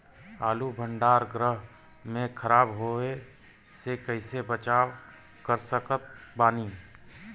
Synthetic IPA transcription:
aːlubʱə̃ɳɖaːɾɡɾəɦ | mẽkʰəɾaːbɦoe | sekəɪsebət͡ʃaːw | kəɾsəkət̪̚baːniː

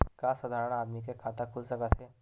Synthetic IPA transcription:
kasad̪ʱaːɾəɽ̃aːd̪mikekʰaːt̪akʰʊlsɐkaseː

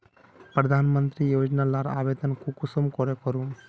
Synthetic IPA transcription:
pɾɐd̪ʱaːnmənt̪ɾijoːd͡ʒnalaɾa̰ːbed̪ənkukusɔmkɔɾekɔɾu

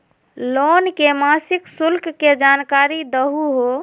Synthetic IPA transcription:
lonkemasiksulkkːed͡ʒankaɾid̪əɦuɦo

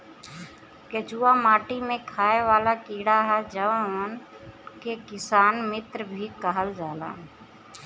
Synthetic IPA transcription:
ket͡ʃuːamaːʈimẽkʰaːeʋaːlakiːɽaɦɛd͡ʒəʋaʋən | kekɪsaːnmɪt̪ɾbʱikəɦəld͡ʒaːla̰ː

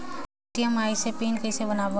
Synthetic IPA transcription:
ʈijəmaisepiːnkəɪsebənabo

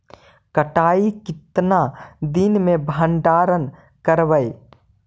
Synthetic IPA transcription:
kəʈaːikɪt̪nad̪inmẽbʱəɳɖaːɾən | kəɾʋəj

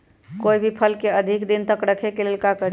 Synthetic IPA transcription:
koibʱipʰəlkeəd̪ʱikd̪int̪əkɾəkʰekelelkakəɾ

